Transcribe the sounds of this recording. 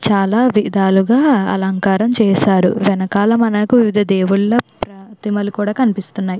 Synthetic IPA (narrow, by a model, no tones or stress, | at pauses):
t͡ʃaːlaːʋid̪aːluɡaːɐ̰lɐŋkaːɾɐmt͡ʃɛːʃaːɾṵʋɛnɐkaːlɐmɐnɐkuʋiʋid̪ʱɐd̪eːwuɭlɐpɾɐt̪imɐlikuːɽaːkɐnipist̪unːaːji